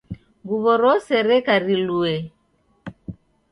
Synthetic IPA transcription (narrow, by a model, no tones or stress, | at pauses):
ɡuβɔɾɔsɛɾɛkaɾiluɛ